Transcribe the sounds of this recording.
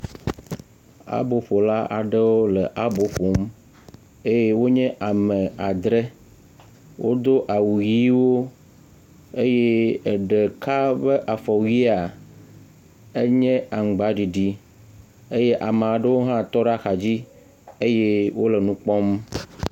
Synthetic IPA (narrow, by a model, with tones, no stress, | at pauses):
a̰˦bo˨ɸo˨la˦a̰˨ɖə˦wo˦le˨ʔa˦bo˦ɸo˨m | e˦je˦wo˦ɲɛ̃˦ʔa˨mɛ̃˨a˨d̪ɾe˦ | wʔo̰˦d̪o˦ʔa˨wu˨ji˦wo˦ | e˦je˦˨ɖe˨ka˦be˦ʔa˨fɔ˨wi˦a˨ | e˦ɲɛ̃˦a˨ŋ̩˨ɡ͡ba˨ɖi˨ɖi˦ | e˦jɛ˦ʔa˨m˨a˨ɖə˦wo˦ɦã˦t̪ɔ˦ɖa˦xa˨d͡ʑi˦ | e˦je˦wo˦le˨nũ˦k͡pɔ˦m